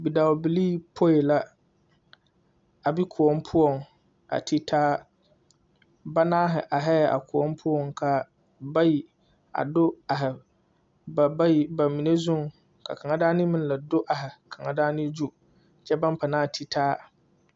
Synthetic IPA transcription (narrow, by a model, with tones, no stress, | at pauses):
bi˨da˨wbi˨liː˦pʰo˦e˨la˦ | a˨bi˦kʰʊ˨ɔ˦mpʰʊ˦ɔ˨ŋ | a̰˨tʰi˦tʰaː˦ | ba˦naː˦ɦɪ˨ʔa˨ɦɛ˦˨a̰˨kʰʊ˨ɔ˦mpʰʊ˦ɔ˨ŋkʰa˨ | ba˦ji˨ | a̰˨dʊ˦a˨ɦɪ˨ | ba˨ba˦ji˨ba˨mi˨ne˦zʊ˦ŋ | kʰa̰˨kʰa˨ŋa˦daː˦nɪ˦mɪ̃˦n˦la˨dʊ˦ʔa˨ɦɪ˨kʰa˨ŋa˨daː˦nɪ˦d͡ʒu˦ | t͡ʃɛ˦ba˦m˦pʰa˨naː˦˨tʰi˦tʰaː˦